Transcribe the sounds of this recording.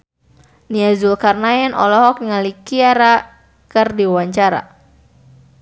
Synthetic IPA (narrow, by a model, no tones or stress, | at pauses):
niazulkarnaɛnʔɔ̰lɔɦɔk̚ŋalikiaɾa | kərdiwaɲt͡ʃaɾa̰